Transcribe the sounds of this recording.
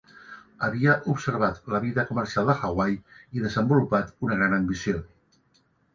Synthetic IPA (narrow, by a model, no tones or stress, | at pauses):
əβ̞iəʔupsəɾβ̞at̪ləβ̞iðəkumərsialˠd̪əxaɣwajiðəzəmbulupat̪unəɣɾanəmbisio